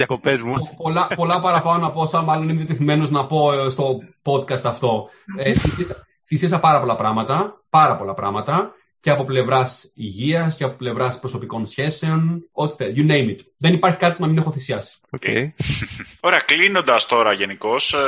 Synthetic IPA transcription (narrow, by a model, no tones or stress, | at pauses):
jɐkopezmupolɐpo̞lɐpɐɾɐpɐonɐposɐmɐloniinðjɐt̪eθime̞no̞znɐpo̞st̪o̞po̞d̪kɐst̪ɐft̪o̞θisiɐsɐ | θisiɐsɐpɐɾɐpo̞lɐpɾɐmɐt̪ɐpɐɾɐpo̞lɐpɾɐ̰mɐt̪ɐ | ceɐpo̞ple̞vɾɐsiʝiɐsceɐpo̞ple̞vɾɐspɾo̞so̞piko̞nsçe̞se̞o̞no̞t̪i̥θejunejmit̪ | ðe̞nipɐɾçi̥kɐt̪i̥punɐmine̞xoθisiɐsi̥oḛ | o̞ɾeɐklino̞nd̪ɐst̪o̞ɾɐʝe̞niko̞s